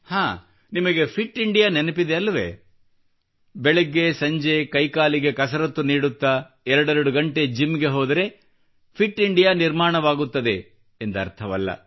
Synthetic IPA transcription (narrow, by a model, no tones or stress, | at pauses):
haː | nimɐɡepʰiʈːiɳɖijaːnenɐpid̪eɐlːɐʋḛː | bɛɭeɡːe̞sɐɲd͡ʒekɐjkaːliɡe̞kɐs̬ɐɾɐt̪ːuniːɽut̪ːa | ɛɾɐɽeɾɐɽuɡɐɳʈed͡ʒimɡe̞ɦoɔːd̪ɐɾe̞ | pʰiʈːiɳɖijaːniɾmaːɳɐʋaːɡut̪ːɐd̪e̞ː | nd̪ɐɐ̰ɾt̪ʰɐʋɐlːɐ̰